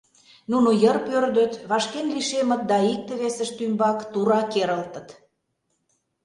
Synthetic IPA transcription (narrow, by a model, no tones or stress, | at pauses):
nunojərpørd̪ø̆t̪βɑʃkenliʃemə̆t̪̚d̪ɑik̚t̪ĕβesə̆ʃt̪ymbɑkt̪uɾɑkeɾəlt̪ə̆t̪